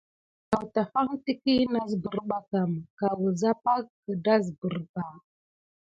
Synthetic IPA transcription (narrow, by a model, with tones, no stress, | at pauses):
ka˨wta˨fa˦ŋti˦ki˦na˨zbə˨ɾɓa˨ka˨mka˨wə˨za˦pa˦kə˨da˦zbə˨ɾba˨